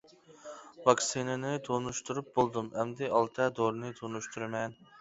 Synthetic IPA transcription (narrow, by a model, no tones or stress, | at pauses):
vɑksinɪnɪt̪ʰonuʃt̪ʰuɾup̚bolˠd̪umɛmd̪ɪʔɑlˠt̪ʰɛd̪oɾnɨt̪ʰonuʃt̪ʰuɾɨmɛn